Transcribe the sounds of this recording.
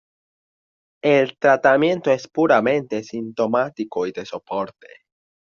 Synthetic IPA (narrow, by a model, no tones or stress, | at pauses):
elt̪ɾat̪amjẽ̞nt̪o̞espuɾamẽ̞nt̪esint̪o̞mat̪iko̞id̪e̞so̞poɾt̪ḛ